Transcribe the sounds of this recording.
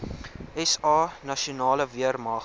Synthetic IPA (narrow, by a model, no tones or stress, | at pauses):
ɛsɑːnɐʃiunɑːləviərmɑː